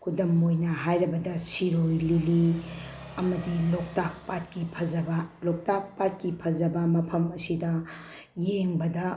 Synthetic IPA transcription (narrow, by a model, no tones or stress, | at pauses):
kʰudɐmojnɐɦajɾɐbɐdɐsiɾojlili | ɐmɐdilok̚tak̚pat̚kipʰɐzɐbɐlok̚tak̚pat̚kipʰɐzɐbɐmɐpʰɐmɐsidɐ | jeŋbɐdɐ